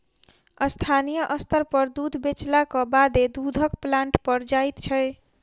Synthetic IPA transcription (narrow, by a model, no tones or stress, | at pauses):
əst̪ʰanijəʔəst̪əɾpəɾd̪ud̪ʱbet͡ʃlakɔbad̪ed̪ud̪ʱəkplãɳʈpəɾd͡ʒajt̪t͡ʃʰə